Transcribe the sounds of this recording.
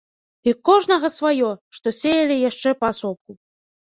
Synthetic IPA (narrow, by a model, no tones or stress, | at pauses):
ikɔʐnɐɣɐsvajɔʂt̪ɔsʲejɐlʲijaʂt͡ʂɛpɐasɔp̚ku